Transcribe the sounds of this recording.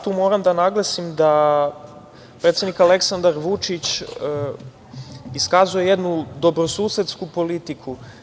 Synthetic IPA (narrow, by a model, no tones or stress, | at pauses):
t̪uːmo̞ːɾamd̪anaɡlˠasimd̪a | pɾe̞t̪sʲed̪nikale̞ksand̪aɾʋut͡ʃit͡ɕ | iskazuje̞je̞d̪nud̪o̞bɾo̞suːset̪skupo̞lit̪ikʰu